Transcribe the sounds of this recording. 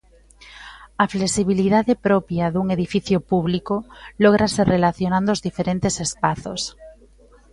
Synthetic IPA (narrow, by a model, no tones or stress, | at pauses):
afleksiβ̞iliðaðepɾopjaðuŋeðifiθjopuβlikoloɣ̞ɾaserelaθjonãnd̪ozðifeɾent̪esespaθo̰s